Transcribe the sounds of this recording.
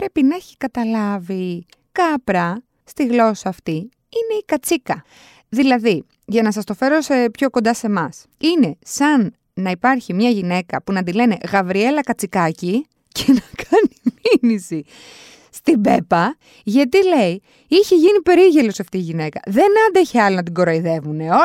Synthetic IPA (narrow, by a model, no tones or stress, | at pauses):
pɾe̞pinɐeçi̥kɐt̪ɐlɐvi | kɐpɾɐ | st̪iɣlo̞sɐːft̪i | ine̞ikɐt͡sikɐ | ðilɐði | ʝɐnɐs̬ɐst̪o̞fe̞ɾo̞sepço̞ko̞nd̪ɐse̞mɐs | ine̞sɐnː | ɐipɐɾçimɲɐʝine̞kɐpunɐd̪̬ile̞ne̞ɣɐvɾie̞lɐkɐt͡sikɐci | cenɐkʰɐniminisi | st̪ibe̞pɐ | ʝɐt̪ile̞i | içeʝinipe̞ɾiʝe̞lo̞sɐft̪iːʝine̞kɐ̰ðe̞nɐnd̪eçeɐlinɐt̪̬iɡo̞ɾɐiðe̞vuneo